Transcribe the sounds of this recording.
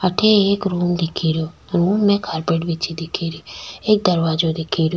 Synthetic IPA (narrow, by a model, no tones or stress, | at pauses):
əʈʰeeːkɾuːmd̪ikʰiɾjo | ɾuːmnẽkʰaɾpeʈʋit͡ʃʰid̪ikʰiɾieːk̚d̪əɾʋad͡ʒod̪ikʰiɾjo